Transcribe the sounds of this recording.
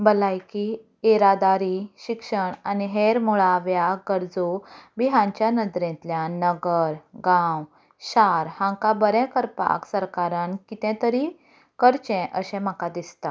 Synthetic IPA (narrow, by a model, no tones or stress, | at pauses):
bəlajki | eɾad̪aɾiɕikʂəɳaniɦeɾmuɭaʋjaɡəɾd͡zobiɦãɲt͡ɕjanəd̪ɾɛ̃t̪ljanəɡəɾɡãw | ɕaɾhãŋkabəɾɛ̃kəɾpa̰ksəɾkaɾãnkit̪ɛ̃t̪əɾi | kəɾt͡ɕɛ̃ʔəɕɛ̃m̤əkad̪ist̪a